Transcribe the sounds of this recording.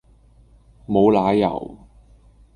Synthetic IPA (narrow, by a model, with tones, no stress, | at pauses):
mo˨˧wlaː˨˥jɐ̰˨˩w